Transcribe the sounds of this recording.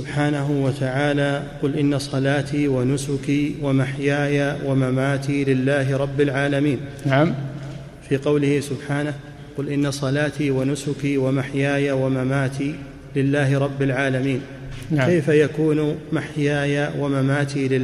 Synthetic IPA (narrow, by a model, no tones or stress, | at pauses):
ʊbħaːnaɦʊwat̪ʰaʕaːlaːqʊlʔɪnːasˤɑlaːt̪iːwanʊsʊkiːwamaħjaːjawamamaːt̪iːlɪlːaːɦɪɾˤɑbːalʕaːlamiːnnam | fiːqɑwlɪhɪsʊbħaːnah | qʊlʔɪnːasˤɑlaːt̪iːwanʊsʊkiːwamaħjaːjawamamaːt̪ʰiː | lɪlːaːɦɪɾˤɑbːalʕaːlamiːn | kajfajakuːnmaħjaːjawamamaːt̪iːlɪ